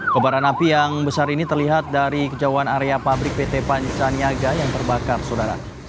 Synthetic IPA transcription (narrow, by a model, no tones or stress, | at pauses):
bəbaɾanapijaŋbəsaɾinit̪ərliɦat̪̚daɾikəd͡ʒawanaɾeapabɾɪk̚pet̪epaɲt͡ʃaniaɡajaŋt̪ərbakarsaudaɾa̰